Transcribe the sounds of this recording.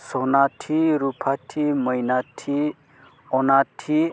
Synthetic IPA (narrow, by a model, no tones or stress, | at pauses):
sɔnatʰiɾupʰatʰimʌjnatʰi | ɔnatʰi